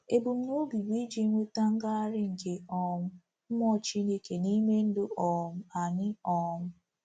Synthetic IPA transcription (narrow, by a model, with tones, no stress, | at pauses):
e˨bu˨m̩˦nu˦bi˨ɡ͡bi˦d͡ʒi˦ŋʷe˦ta˦ŋ̩˦ɡa˦a˦ɾɪ˦ŋ̩˨ke˦ɔ˦ŋʊ˦ | m̩˦mɔ˦˨t͡ʃi˦ne˦ke˨ni˦me˦n̩˦dʊ˦ɔ˨mʊ˦a˨ɲɪ˦ɔ˨ŋʊ˦